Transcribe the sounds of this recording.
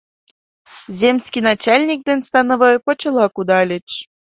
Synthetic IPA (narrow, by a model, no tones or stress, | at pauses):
zʲemsʲkʲinɑt͡ɕalʲnʲik̚d̪enʲst̪ɑnɤvɤjpɤt͡ɕɤ̆lˠɑkud̪ɑlʲĕt͡ɕ